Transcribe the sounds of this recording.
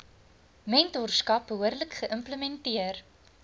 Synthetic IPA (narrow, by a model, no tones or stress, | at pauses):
mɛntɔrskɐpɦuərləkχəʔəmpləmɛntiər